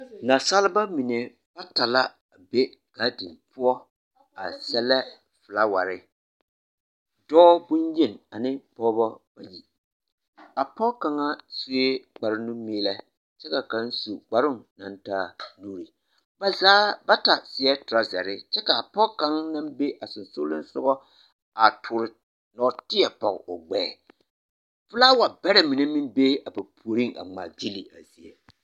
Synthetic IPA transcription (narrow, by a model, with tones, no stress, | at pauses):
na˨sa˦lɪ˦ba˦mi˨ne˨ | b̥a˦ta˨la˦ | a˨be˦ | ka˨˦di˨mpʊ˦ɔ˦ | a̰˨sɛ˦lɛ˦ | fɨ˨la˦wa̰˨ɾɪ˦ | dɔː˦bʊ˦nje˦˨na˨nɪ˦pɔː˦bɔ˦b̥a̰˨ji˨ | a˨pɔ˦ka˨ŋa˦su˦e˦ɡ͡ba˨ɾɪ˦nu˦miː˦lɛ˦ | t͡ʃɛ˦ka˨ka˦n˦su˨ɡ͡ba˨ɾʊ˦ŋna˨ntaː˦nuː˦ɾi˨ | ba˨zaː˦ba˦ta˨sɪ˨ɛ˦tʊ˨ɾa˦zɛ̰˨ɾɪ˦t͡ʃɛ˦ka˨a˨pɔ˦ka˦ŋna˦mbe˦ʔa˨sʊ˨nso˦lʊ˦n˦sʊ˦ɣɔ˦ | a˨tʰʊː˨ɾɪ˨ | nɔ˨tɪ˦ɛ˨pɔ˨ɣ̰ʊ˨ɡ͡bɛː˦˨ | fʊ˦la˦wa˨bɛ˦ɾa˨mi˨ne˦mi˦nbe˦a˨ba˨pʰu˨o˨ɾi˦ŋa̰˨ŋ͡ma̰˨ɡi˦li˨ʔa˨zi˨e˨